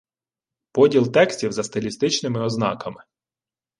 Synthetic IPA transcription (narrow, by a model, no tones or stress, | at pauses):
pɔdʲilˠt̪ɛksʲtʲiwzɐst̪ɪlʲist̪ɪt͡ʃnɪmɪɔznɑ̰kɐmɪ